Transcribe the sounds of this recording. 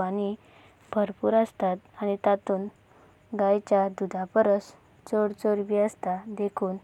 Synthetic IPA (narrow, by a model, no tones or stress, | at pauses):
añi | bʱəɾpuːɾəst̪at̪̚aɽ̃it̪at̪uːn | ɡajt͡ɕad̪ud̪ʱapəɾəs | t͡soɽt͡soɾʋiːəst̪ad̪ekʰuːn